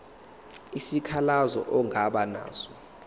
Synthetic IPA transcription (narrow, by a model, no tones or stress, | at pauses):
isikʰalazɔ̰ʔɔŋʱaɓana̰ːsɔ̥